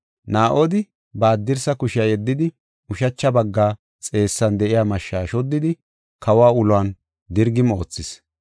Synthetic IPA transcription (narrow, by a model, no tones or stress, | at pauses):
naːʔoːd̪ɪ | baːd̪ːɪɾsɐkʊʃɪjɐjɛd̪ːɪd̪ɪ | ʊʃɐt͡ʃːɐbɐɡːaː | t͡sʼe̞ːsːɐnd̪ɛʔɪjaːmɐʃːaːʃɔd̪ːɪd̪ɪ | kɐwaːʊlʊaːn | d̪ɪɾɡɪmo̞ːt͡sːɪs